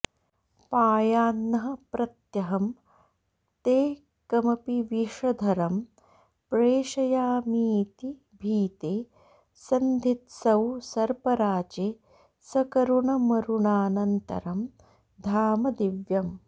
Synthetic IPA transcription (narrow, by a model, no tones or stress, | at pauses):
paːjaːnːɐɦɐ̆pɾɐt̪jɐɦɐm | t̪eː | kɐmɐpiʋiʂɐd̪ʱɐɾɐm | pɾeːʃɐjaːmiːt̪i | bʱiːt̪eː | sɐnd̪ʱit̪sɐwsɐɾpɐɾaːd͡ʒeː | sɐkɐɾuɳɐmɐɾuɳaːnɐnt̪ɐ̰ɾɐm | d̪ʱaːmɐd̪iʋjɐm